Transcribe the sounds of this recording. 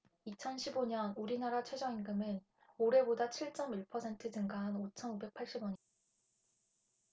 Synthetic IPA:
it͡ɕʰʌnɕʰiboɲʌnuɾinaɾat͡ɕʰwe̞d͡ʑʌŋinɡɯmɯn | oɾe̞bodat͡ɕʰiɭt͡ɕ͈ʌmiɭpʰʌsʰe̞ntʰɯd͡ʑɯŋɡaɦanot͡ɕʰʌnube̞k̚pʰaɭɕ͈ibwʌɲi

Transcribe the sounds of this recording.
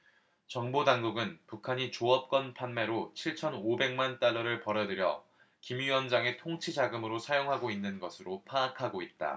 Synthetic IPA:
t͡ɕʌŋbodaŋɡuɡɯnpukʰaɲit͡ɕoʌp̚k͈ʌnpʰanme̞ɾot͡ɕʰiɭt͡ɕʰʌnobe̞ŋmant͈aɭːʌɾɯɭpʌɾjʌdɯɾjʌ̰ | kimɥiwʌnd͡ʑaŋe̞tʰoŋt͡ɕʰid͡ʑaɡɯmɯɾosʰajoŋɦaɡoinːɯnɡʌsʰɯɾopʰaakʰaɡoit̚t͈a̰

